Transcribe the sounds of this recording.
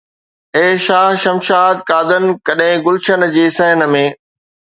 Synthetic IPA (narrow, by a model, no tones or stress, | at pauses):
eːʃaːɦʃɐmʃaːd̪kaːd̪ən̆kɐɗɦẽɡʊlʃən̆d͡ʑiːsəɦənəmẽː